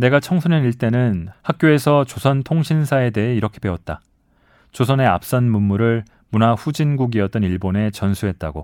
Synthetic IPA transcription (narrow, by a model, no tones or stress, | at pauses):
ne̞ɡat͡ɕʰʌŋsʰuneniɭt͈e̞nɯnhak̚k͈joe̞sʰʌt͡ɕosʰʌntʰoŋɕʰinsʰae̞de̞ɦe̞iɾʌkʰe̞be̞wʌt̚t͈a | t͡ɕosʰʌne̞a̰p̚s͈ʌnmunmuɾɯɭ | munaɸud͡ʑinɡuɡiʌt̚t͈ʌniɭbone̞t͡ɕʌnsʰuɦe̞t̚t͈a̰ɡo